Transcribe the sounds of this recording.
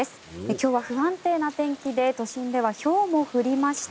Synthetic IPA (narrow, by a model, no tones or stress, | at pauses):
esɨ̥ekʲo̞ːβaɸɯ̟ɦãnt̪e̞ːnat̪ẽ̞ŋkʲid̪e̞t̪o̞ɕĩnd̪e̞β̞aço̞ːmo̞ɸɯ̟ɾʲimaɕi̥t̪